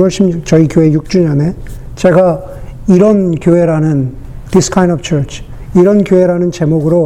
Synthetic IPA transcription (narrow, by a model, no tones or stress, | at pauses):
wʌɭɕ͈imt͡ɕʌikjoe̞juk̚t͡ɕ͈uɲʌne̞ | t͡ɕe̞ɡa | iɾʌnkjoe̞ɾanɯn | tiskʰaj̃ndʌbt͡ɕʰʌɭt͡ɕʰ | iɾʌnkjoɦe̞ɾanɯnt͡ɕe̞moɡɯɾo